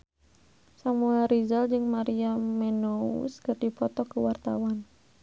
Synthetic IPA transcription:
samuɛlɾizald͡ʒɨŋmaɾiamɛnoṵskərdipɔt̪ɔkəwart̪a̰wan

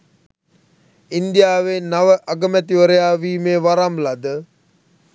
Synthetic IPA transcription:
ind̪ijaːʋenaʋəʔaɡəmæt̪iʋəɾəjaːʋiːmeːʋaɾamlad̪ə

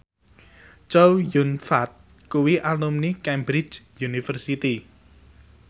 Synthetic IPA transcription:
t͡ʃowjunfat̪̚ | kuwiʔalumnikɛmbɾi̥d͡ʒjunifərsit̪i

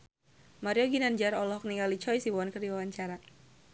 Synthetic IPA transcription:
maɾijɔɡinand͡ʒaɾɔlɔhk̚niŋalit͡ʃɔjsiwankərdiwawaɲt͡ʃaɾa

